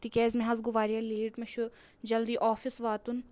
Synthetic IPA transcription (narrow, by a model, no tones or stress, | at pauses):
t̪ikʲɛːzmɛɦaːzɡʊʋaːɾijaleːʈmɐʃu | d͡ʒɐld̪iːʔɔːfɪsʋaːt̪ʊn